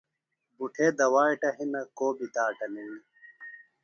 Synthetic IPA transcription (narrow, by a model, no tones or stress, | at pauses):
buʈʰeːd̪ɐwaːiʈɐɦinɐkoːbit̪aːʈɐnewi